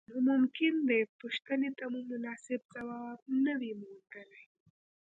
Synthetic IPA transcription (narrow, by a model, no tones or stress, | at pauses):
nomʊmkɪnd̪epʊʃt̪ənet̪amumʊnɑːsɪbsawɑb̚nəwimʊd̪əlaj